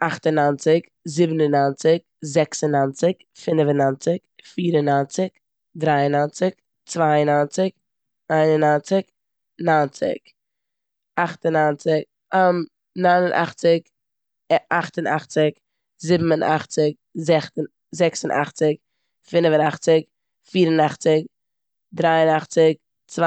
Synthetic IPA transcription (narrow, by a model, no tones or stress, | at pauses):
aχtənant͡sɪk | zɪbn̩ənant͡sɪk | zɛksənant͡sɪk | fɪnvənant͡sɪkfiːɾənant͡sɪk | dɾaɪənant͡sɪk | t͡svaɪənant͡sɪk | aɪnənant͡sɪk | nant͡sɪ̰k | aχtənant͡sɪk̚ | am | naɪnənʔa̰χt͡sɪk | ɛaχtənaχt͡sɪk | zɪbm̩ənʔa̰χt͡sɪk̚ | zɛχtn | zɛksənʔa̰χt͡sɪk | fɪnvənaχt͡sɪk | fiːɾənaχt͡sɪk̚ | dɾaɪənaχt͡sɪk̚ | t͡sva